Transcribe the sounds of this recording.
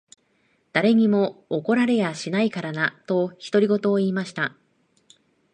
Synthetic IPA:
d̪̥aɾe̞ɲ̟imo̞ːko̞ɾaɾe̞jaɕinaikaɾanat̪o̞çi̥t̪o̞ɾʲiɡo̞t̪o̞ːiːmaɕi̥t̪a

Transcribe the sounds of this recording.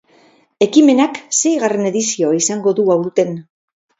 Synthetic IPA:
e̞kime̞nakse̞jɣare̞ne̞ðisioaisaŋɡo̞ðuawɾt̪e̞n

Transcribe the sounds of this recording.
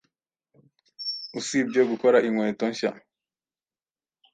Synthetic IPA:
usibjoɡukoɾaʔiŋwe̞ːtoɲʃa

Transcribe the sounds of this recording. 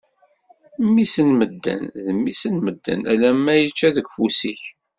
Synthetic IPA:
mːisənməd̪ːæ̰nðəmːisənməd̪ːæ̰nʔæ̰læmːæjət͡ʃːæðəɡfusiç

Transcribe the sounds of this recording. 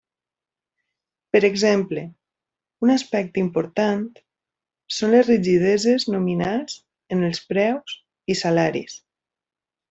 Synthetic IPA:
pəɾəɡzemple | unaspɛk̚t̪impoɾt̪ant̪ | sonlezriʒiðezeznuminaz | ənəlˠspɾɛwz̥ | isalaɾḭs

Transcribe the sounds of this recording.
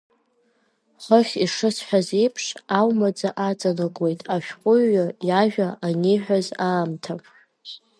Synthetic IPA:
χəχʲiʂɨsħʷᶣazejpʰʂawmad͡zaʔat͡sʼanɨkʼwe̞jtʼaʃᶣqʷʼʊɥːajaʒᶣaʔaniħᶣazaːmtʰapʰʼ

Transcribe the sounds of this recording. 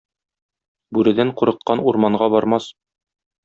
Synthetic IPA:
bʉɾɘ̆d̪æŋquɾɤ̆q̚qːɑnuɾmɑɴɢɑbɒɾmɑs

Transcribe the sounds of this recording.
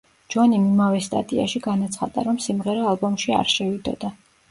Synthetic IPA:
d͡ʒwanimimavɛst̪ʼa̰t̪ʼia̰ʃiɡanat̪sʰχa̰d̪a̰ɾɔmsimʁɛɾɔalˠbɔmʃia̰ɾʃɛvid̪ɔ̰d̪a

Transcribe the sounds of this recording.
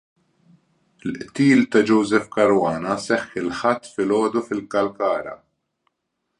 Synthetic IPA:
ɪlʔt̪iːlt̪ɐd͡ʒɔwzɛfkɐɾwɐːnɐsɛħːɪlħɐt̪ːfɪlɔːd̪ufɪlkɐlkɐːɾɐ̰

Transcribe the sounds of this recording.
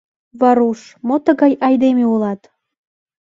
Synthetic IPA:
βɑɾuʃmot̪əɣɑjɑjd̪emeulɑt̪

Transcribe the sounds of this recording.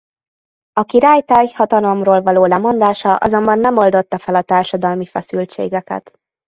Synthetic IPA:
ɒkiɾaːjt̪aːjhɒt̪ɒlo̞mroːlvɒloːlɛmo̞nd̪aːʃɒʔɒ̰zo̞mbɒnːɛmo̞ld̪o̞t̪ːɒfɛlɒt̪aːrʃɒd̪ɒlmifɛsylt͡ʃḛːɡɛkɛ̰t̪

